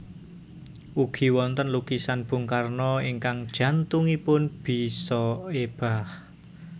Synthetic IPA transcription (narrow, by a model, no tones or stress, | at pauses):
ʔuɡ̥i̤wɔnt̪ənlukisanb̥ʊ̤ŋkarnɔiŋkaŋd̥ʒ̥ä̤nt̪uŋipʊnb̥i̤sɔeb̥a̤h